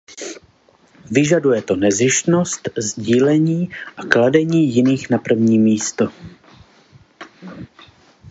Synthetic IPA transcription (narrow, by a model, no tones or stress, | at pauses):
vɪʒadujɛt̪o̞nɛzɪʃt̪no̞st̪zɟiːlɛɲiːʔakladɛɲiːjɪniːxnapr̩vɲiːmiːst̪o